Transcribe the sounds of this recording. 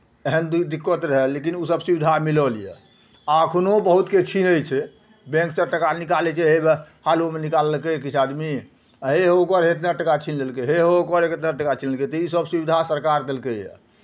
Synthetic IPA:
eɦənd̪d̪ikːət̪ɾəɦəlːekinusəbsubid̪ʱamiləlijɛ̰ | aəkʰnobəɦut̪ket͡ʃʰinəjt͡ʃʰɛ | bẽŋksəʈəkanikalɛt͡ʃʰɛɦebehalomenikaləlkekit͡ʃʰad̪mi | ɦeɦokəɾɦet̪naʈəkat͡ʃʰinlelkeɦeɦokəɾeket̪naʈəkat͡ʃʰinəlket̪ɔisəbsubid̪ʱasəɾkaɾd̪elkejɛ̰

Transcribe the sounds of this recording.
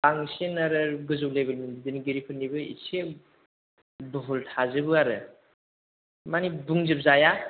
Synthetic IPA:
aŋsenaɾɯɡɯzowlebelmindidinɡiɾikʰɯnːibɯḭse | bɯɦultʰazɯbɯaɾɯ | manibuŋzɯp̚zaja

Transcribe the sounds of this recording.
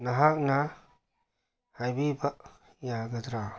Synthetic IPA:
naɦak̚na | hajbibɐʔ | jaɡɐd̪ɾa

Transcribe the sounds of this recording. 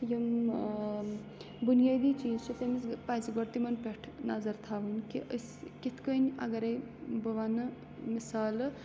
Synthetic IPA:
jim | bunjaːd̪iːt͡ʃiːzt͡ʃʰit̪emispaːjsiɡoɽt̪imɐnpeʈʰnɐzɐɾt̪ʰaːʋɐnkiʔəsʲkit̪ʰkənʲɐ̰ɡɐɾɐj | bɐʋaːnɨ | misaːl

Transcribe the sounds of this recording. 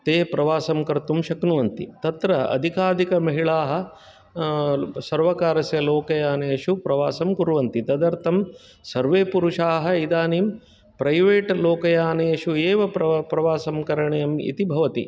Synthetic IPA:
t̪eːpɾɐʋaːsɐmkɐɾt̪umʃɐknuʋɐnt̪ḭt̪ɐt̪ɾɐɐ̰d̪ʱikaːd̪ikɐmɐɦiɭaːɦɐ̆ | sɐɾʋɐkaːɾɐsjɐloːkɐjaːneːʂupɾɐʋaːsɐmkuɾuʋɐnt̪it̪ɐd̪ɐɾt̪ʰɐm | sɐɾʋeːpuɾuʂaːɦɐ̆id̪aːniːm | pɾɐjʋeːʈloːkɐjaːneːʂueːʋɐpɾɐʋaːsɐmkɐɾɐɳɐjɐmḭt̪ibʱɐʋɐt̪i

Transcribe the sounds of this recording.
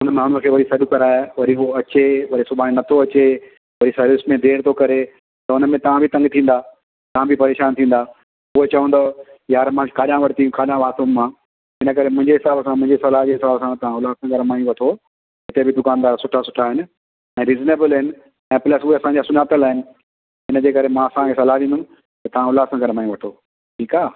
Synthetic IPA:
ʊnəmaːʊnuəkʰeːʋɐɾisɐɗʊkɐɾaːeʋɐɾioɐt͡ɕeʋɐɾisʊbʱaːninɐt̪ʰoɐt͡ɕe | ʋɐɾisɐɾʋɪsmẽd̪ʱeːɾt̪ʰokɐɾe | t̪ɐʊnəmẽt̪ɐʋ̤ãbʱɪt̪ɐ̃ŋɡt̪ʰĩːnd̪a | t̪ɐʋ̤ãbʱɪpɐɾeːʃaːnt̪ʰĩːn̆d̪aː | uɦet͡ɕɐʋə̃n̆d̪ojaːɾmãːkʰaːɗãʋɐɽt̪iũkʰaːɗãʋaːt̪õmã | ɦɪnəkɐɾemʊ̃ɦɪ̃ɲd͡ʑeɦɪsaːbsãmʊ̃ɦɪ̃ɲd͡ʑeɦɪsɐlaːɦd͡ʑeɦɪsaːbsãt̪ɐʋ̤ãʊlaːsãːɡʱɐɾmaːjũʋɐʈʰo | ɦɪt̪ebʱɪd̪ʊkaːnd̪aːɾsʊʈʰasʊ̥ʈʰaɦɪnɪ̆ | ɛ̃ːɾiːzneːbəlɦɪnɪ̆ | ɛ̃ːplɐsʊɦeɐsãɲd͡ʑaːsʊnaːt̪əlaːɦɪnɪ̆ | ɦɪnəd͡ʑeːkɐɾemãɐsãkʰesɐlaʋĩnd̪ʊũ | t̪ɐt̪ɐʋ̤ãʊlaːsãːɡʱɐɾmaːjũʋɐʈ̪ʰoː | ʈʰiːkaː

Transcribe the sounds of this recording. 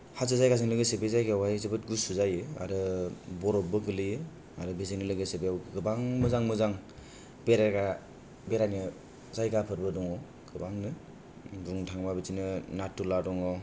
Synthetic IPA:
hasɯzajkasɯŋlɯɡɯsebezajɡwajzɯbɯtɡusuzajɯa̰ɾɯbɔɾɔbɯɡɯlɯjɯ | aɾɯbiziŋnɯlɯɡɯsebejawɡɯbaŋmɯzaŋmɯzaŋ | beɾaɡa | beɾanɯ | zajɡapʰɯɾbɯdɔŋɔ | ɡ̥ɯbaŋnɯ | duŋtʰaŋmabizinɯnatːuladɔŋɔ

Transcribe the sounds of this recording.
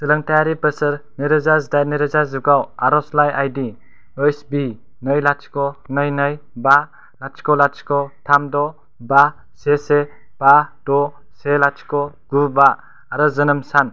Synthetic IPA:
sɯlɯŋtajaɾipɯsɯɾniɾɯzazdajniɾɯzazuɡawaɾɔslajajdi | ɯjsbi | nɯjlat͡ʃkɔnɯjnɯjba | lat͡ʃkɔlat͡ʃkɔtʰamdɔ | ba | sese | b̥ad̥ɔ | selat͡ʃkɔ | ɡ̥ubaː | ɾɯzɯnɯmsan

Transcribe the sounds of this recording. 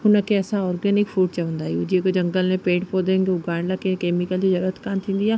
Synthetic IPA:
ʊnəkʰeɛːsaɔːɾɡɛːnɪkfuːʈ̚t͡ɕɐʋə̃nd̪aːijud͡ʑiekod͡ʑɐ̃ŋɡəlmẽpeːʈpoːd̪ẽŋɡeʊɡaːɳlakẽkeːmikəld͡ʑizɐɾuːɾət̪kaːnt̪ʰĩːn̆d̪ijaː

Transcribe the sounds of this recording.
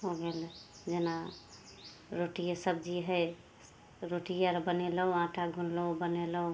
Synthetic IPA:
ɦoɡel | d͡ʒena | ɾoʈijasəb̚d͡ʒiɦəj | ɾoʈijaɾbəneləɦoãʈʰaɡʱunləubəneləɦu

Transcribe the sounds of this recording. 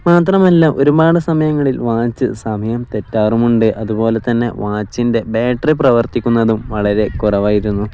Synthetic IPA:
maːt̪rɐmɐlːɐʔo̞ɾubaːɽɨsɐmɐjɐŋːɐɭilʋaːt͡ɕːɨsɐmɐjɐmt̪e̞tːaːrumuɳɖɨʔɐðubo̞ːle̞t̪ːɐnːe̞̰ʋaːt͡ɕːinde̞beːʈriprɐʋɐrt̪ikʲːunːɐðumʋɐɭɐɾe̞kurɐʋaːjiɾunːu

